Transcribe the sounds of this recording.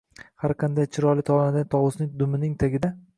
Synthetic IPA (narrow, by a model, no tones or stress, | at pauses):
haɾqʰɑnd̪ajt͡ʃʰɪɾɒlˠɪt̪ʰɒlˠanad̪ant̪ʰɒwʊsnɪŋd̪ʊmɪnɪŋt̪ʰaɡʲɪd̪a